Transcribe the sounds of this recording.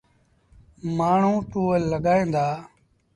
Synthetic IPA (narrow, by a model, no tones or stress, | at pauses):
maːɳ̤ũːʈuːəlːəɠaːẽːnd̪aː